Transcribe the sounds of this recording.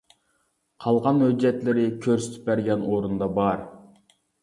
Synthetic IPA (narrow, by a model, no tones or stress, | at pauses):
qʰɑlˠʁɑnhød͡ʒːɛt̪lɪɾɪkʲʰøɾsy̥t̪ʰy̥p̚ːæɾɡʲɛnoɾund̪ɑbɑɾ